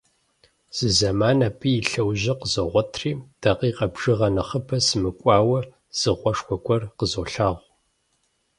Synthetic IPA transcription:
z̥ɨzɐmaːnapʰiːjɪɬɐwʑɐqəzoʁʷɔtʰriːd̥ɐqiːqʼɐbʐɨʁɐnɐχəpʰɐsɨmɨkʷʼɑːwɐ | z̥ɨʁʷɔʂkʷɔkʷʼɔrqəzoːɬaːʁʷ

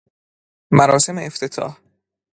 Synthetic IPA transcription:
mæɾɒːse̞meːft̪ʰet̪ʰɒ̰ːh

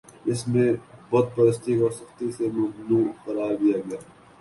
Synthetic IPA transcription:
ɪsmẽbɔːt̪̚pɐɾəst̪ikosɐxt̪isemɐmnuːxɐɾaːɾd̪ijaːɡɐjaː

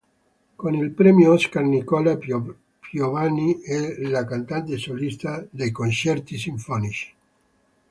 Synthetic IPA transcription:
konilpɾɛmjoɔskarnikɔla | pjovaniɛlakant̪ant̪esolist̪ad̪ejkont͡ʃɛrt̪is̬iɱfɔnit͡ʃi̥

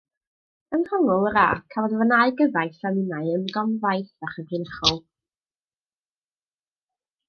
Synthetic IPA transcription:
ənrɔŋɔlˠəɾa̰ːkʰavɔdvanaɨɡəvajθanɪnaɨəmɡɔmvajθaχəvɪnəχɔlˠ

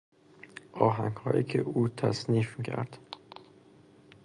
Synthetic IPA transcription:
ʔɒːɦæŋɡhɒːjiːcʰḛʔuːt̪ʰæsniːfmicʰæ̰ɾd̪̥

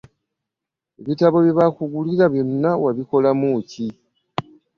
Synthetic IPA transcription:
eβitaβo̞βjeβakuɡuliɾaβjo̞nːawaβiko̞lamuci

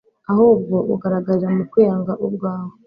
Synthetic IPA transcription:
ahub̚ɡo̞uɡaɾaɡazamukwijaːŋɡaʔub̚ɡaːho

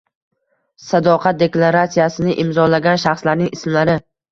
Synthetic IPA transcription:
sad̪ɒqʰat̪̚d̪e̞klˠaɾat̪sijasɪnɪʔɪmzɒlaɡʲanʃaχslaɾnɪŋɪsmlaɾɪ

